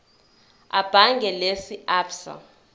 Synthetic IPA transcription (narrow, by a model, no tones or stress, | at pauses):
a̰b̥ʱaŋɡʱɛlesiapsa̰